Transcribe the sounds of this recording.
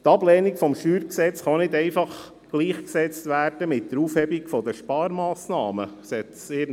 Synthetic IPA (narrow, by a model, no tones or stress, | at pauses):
tɑblɛːnikfɔmʃyːɾksɛt͡sχɑnɪdɛɪfɑχ | ɡ̥liːχksɛt͡stʋæːrd̥əmɪtːəɾuːfhɛbikfɔd̪əʃpɑːɾmɑːsnɑːməsɛt̪seː